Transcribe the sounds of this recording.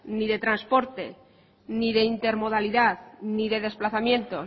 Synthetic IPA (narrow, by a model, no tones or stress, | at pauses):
niðe̞t̪ɾanspo̞ɾt̪e̞̰ | niðe̞int̪e̞ɾmo̞ð̞aliðaðniðe̞ð̞e̞splaθamjẽ̞nt̪o̞